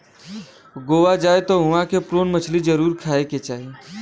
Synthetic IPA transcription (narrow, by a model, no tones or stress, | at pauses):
ɡoːʋad͡ʒaːet̪oɦʊʋãkepɾoːnmət͡ʃʰlid͡ʒəɾuːɾkʰaːeket͡ʃaːɦe